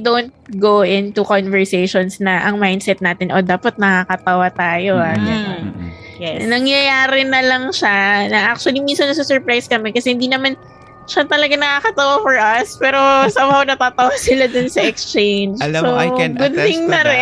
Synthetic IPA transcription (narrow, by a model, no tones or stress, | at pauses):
d̪ont̪̚ɡowʔɪnt̪ukonvɛɹsejʃonsnɐʔɐŋmajnd̪sɛt̪̚naːt̪ɪnʔod̪aːpɐt̪̚nɐkakɐt̪ɐwat̪aːjo̞ʔakɐsɛ | nɐŋjɐjaːɾɪnɐlɐŋʃanɐʔak̚t͡ʃʊɐlimiːsɐnɐsusɛɹpɾajskɐmɛkɐsɛhɪnd̪iːnɐman | ʃɐt̪ɐlɐɡanɐkakɐt̪ɐwafɔɹʔɐspɛːɾo̞samɐonɐt̪aːt̪ɐwasɪlad̪ʊnsɐʔɛkst͡ʃejnd͡ʒsoɡʊd̪̚t̪ɪŋnɐɾɛ